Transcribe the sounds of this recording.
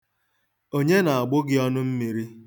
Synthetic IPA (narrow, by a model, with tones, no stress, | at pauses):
o˦ɲe˦na˨a˨ɡ͡bʊ˦ɡɪ˦ɔ˦nʊ˦m̩˦mi˨ɾi˦